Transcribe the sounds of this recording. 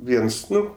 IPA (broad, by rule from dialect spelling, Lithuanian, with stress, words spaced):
ˈʋʲiɛns ˈnʊ